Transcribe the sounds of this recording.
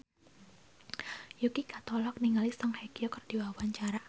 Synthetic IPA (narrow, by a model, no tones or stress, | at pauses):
jukikat̪ɔlɔk̚niŋalisɔŋhakiokərd̥iwawaɲt͡ʃaɾa